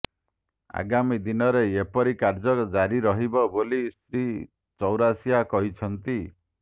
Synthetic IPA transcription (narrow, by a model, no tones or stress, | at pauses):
a̰ɡamid̪inɔɾeepɔɾikaɾd͡ʒɔkd͡ʒaɾiɾɔɦibɔbolist̪ɾi | t͡ʃɔwɾasijakɔɦit͡ʃʰɔnt̪i